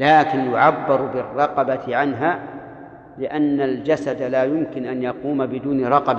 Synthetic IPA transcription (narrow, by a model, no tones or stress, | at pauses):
laːkɪnjʊʕabːɪɾbɪrˤːɑqɑbat̪ɪʕanɦaː | lɪʔanːald͡ʒasad̪alaːjʊmkɪnʔanjɑquːmabɪd̪uːnɾˤɑqɑba